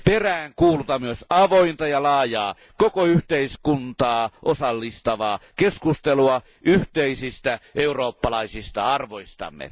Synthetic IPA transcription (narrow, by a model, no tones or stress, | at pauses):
peræːŋkuːlut̪ɑmyøsɑʋoint̪ɑjɑlɑːjɑː | kokoyht̪eiskunt̪ɑːʔosɑlːist̪ɑʋɑːkeskust̪eluɑ | ʔyht̪eisist̪æʔeuroːpːɑlɑisist̪ɑ̰ɑrʋoist̪ɑ̰mːḛ